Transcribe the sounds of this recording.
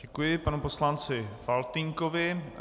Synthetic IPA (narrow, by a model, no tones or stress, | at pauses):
ɛkujɪpanuposlant͡sɪfalt̪iŋkovɪ